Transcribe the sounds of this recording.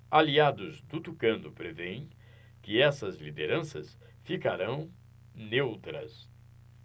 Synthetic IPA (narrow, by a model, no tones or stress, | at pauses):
aliad̪ʊzd̪ʊt̪ukɐ̃nd̪ʊpɾevẽj̃ | kɪɛsɐzlid̪eɾɐ̃sɐs | fikaɾɐ̃w̃ | newt̪ɾɐ̰s